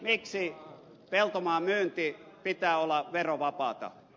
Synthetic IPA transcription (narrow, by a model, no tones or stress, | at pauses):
miksi | pelt̪omɑːmyːnt̪iːpit̪æːolːɑʋeroʋɑpɑːˑt̪ɑ̰